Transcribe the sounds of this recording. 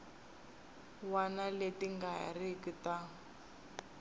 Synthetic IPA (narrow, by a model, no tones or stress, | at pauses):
wanaletiŋɡaja̰rikita